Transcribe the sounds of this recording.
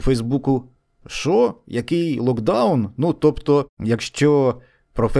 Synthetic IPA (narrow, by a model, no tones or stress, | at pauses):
fɛjzbukʊ | ʃɔjɐkɪjlˠɔkd̪ɑwnnut̪ɔpt̪ɔjɐkʃt͡ʃɔ | pɾɔfɛ